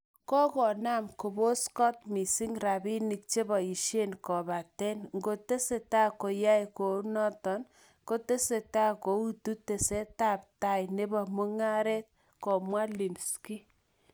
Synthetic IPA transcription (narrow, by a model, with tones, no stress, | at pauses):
kɔ˦kɔ˨na˦mko˨bo˦skɔ˦t̚mi˨si˦ŋɾa˨bi˦ni˨k̚t͡ʃe˦bɔ˨i˨ʃe˦nkɔ˨ba˨tɛ˦nŋɡo˦te˦se˨ta˦ko˨ja˦jko˨nɔ˦tɔ˨n | ko˦te˦se˨ta˦ko˨˦u˦tu˦te˨se˦ta˦˨p̚ta˨jne˦bɔ˨mu˦ŋa˦ɾɛ˦t̪̚ | kɔ˨mwa˦li˨mski˦